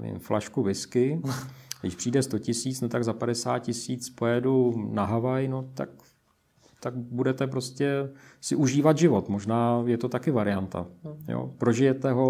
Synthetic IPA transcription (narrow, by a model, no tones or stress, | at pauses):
vḭmflʔaʃkuvɪskɪ | ɡdɪ̰ʃpr̥iːdɛst̪o̞cɪsiːt͡snot̪aɡzapadɛsa̰ːt̪̚cɪsiːt͡spo̞jɛdunaɦavajnot̪a̰k | t̪akbudɛt̪ɛp̬ɾo̞scɛsɪʔuʒiːvat̪ʒɪvo̞t̪mo̞ʒnaːjɛt̪o̞t̪akɪvaɾɪant̪a̰jo̰pɾo̞ʒɪjɛt̪ɛɦo̞